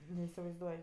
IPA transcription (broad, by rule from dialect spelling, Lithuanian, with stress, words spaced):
nʲɛɪsʲɪʋɐɪzˈduɔj